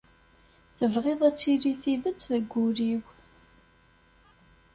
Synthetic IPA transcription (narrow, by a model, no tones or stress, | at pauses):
θəvʁɪðˤæt͡sːiɾiθiðət͡sːðəɡʷːʊɾiw